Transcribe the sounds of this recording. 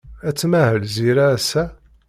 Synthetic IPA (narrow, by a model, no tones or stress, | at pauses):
æt͡sːmæhəlziɾaːsæ